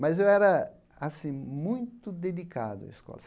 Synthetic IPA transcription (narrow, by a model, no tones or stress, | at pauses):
mɐzewɛɾɐ | asĩmũj̃t̪ʊd̪ed̪ika̰d̪ʊɐ̰iskɔ̰lɐ